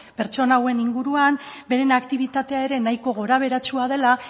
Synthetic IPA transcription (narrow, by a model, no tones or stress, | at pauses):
pe̞ɾt͡ʃo̞nawe̞niŋɡuɾuambe̞ɾe̞nakt̪iβ̞it̪at̪e̞ae̞ɾe̞najko̞ɣ̞o̞ɾaβ̞e̞ɾat͡ʃuaðe̞la